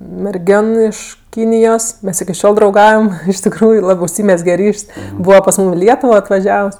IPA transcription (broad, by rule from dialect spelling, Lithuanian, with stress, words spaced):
mʲɛrʲˈɡʲoːn ˈɪʃ ˈkʲiːnʲɪjoːs ˈmʲɛs ɪkʲɪ ˈʃʲoːlˠ drɐʊˈɡɐʊjɛm ɪʃ tʲɪkˈruːjʊ ˈlˠɑːbɜ ʊʃʲˈsʲiːmʲɛzʲɡʲɛ ˈrʲiːʃʲsʲ ˈbuːʋɐ pɐs ˈmuːm ɪ ˈlʲiɛtʊʋoː ɐtʋɐˈʒʲɛws